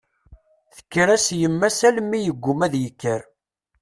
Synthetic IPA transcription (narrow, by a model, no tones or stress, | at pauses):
θə̥kːɾæsjəmːæsælmːijəɡʷːʊmæðjəkːəɾ